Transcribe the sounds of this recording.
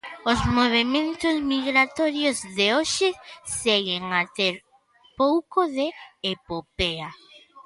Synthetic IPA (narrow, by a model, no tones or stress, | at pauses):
ozmoβ̞emẽnt̪ʊzmiɣɾat̪ɔɾjozðeoʃɪseɣeŋat̪eɾ | powkoðeːpopea